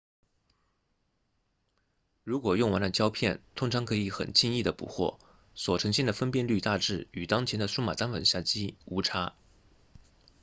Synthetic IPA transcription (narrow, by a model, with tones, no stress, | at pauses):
ɻu˧˥kwɔ˨˩jʊ˥˩ŋwa˧˥nd̪ə˨˩t͡ɕjɑ˥ʊpʰjɛ˥˩nt̪ʰʊ˥ŋʈ͡ʂʰɑ˧˥ŋkʰɤ˧˥i˧˥xə̰˨˩nt͡ɕʰi˥˧ŋi˥˩d̪ə˩pṵ˨˩xwɔ̰˥˩ | swɔ˨˩ʈ͡ʂʰɤ˧˥ŋɕɛ˥˩nd̪ə˩fə˥npjɛ˥˧nly˥˧t̪a˥˧ʈ͡ʂɻ̩˥˩y˨˩t̪ɑ˥ŋt͡ɕʰjɛ˧˥nd̪ə˧su˥ma̰˨˩t̪a˥nwə̰˨˩nɕja˥˩t͡ɕi˥u˧˥ʈ͡ʂʰa˥